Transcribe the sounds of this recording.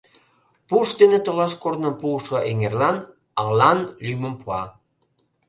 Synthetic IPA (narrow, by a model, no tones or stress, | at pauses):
puʃd̪enet̪ŏlɑskornɤ̆puʃɤ̆ʔeŋerlɑn | ɑʁlɑnlymə̆mpuɑ